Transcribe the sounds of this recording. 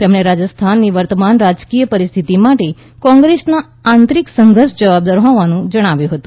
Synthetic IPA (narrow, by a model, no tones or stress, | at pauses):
t̪emɳ̃eɾad͡ʒəst̪ʰanːiʋəɾt̪əmanɾad͡ʒkijəpəɾist̪ʰit̪imaʈe | kɔ̃ŋɡɾesna | ant̪ɾiksəŋɡʱəɾʃd͡ʒəʋab̚d̪aɾɦɔʋanũd͡ʒəɽ̃aʋjũɦət̪ũ